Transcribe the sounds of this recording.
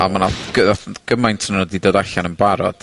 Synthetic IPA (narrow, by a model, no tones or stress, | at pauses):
a̰manaɡ̥əaɡ̥əmajntʰənnɔdidoːdaɬanənbaɾɔ̰d̥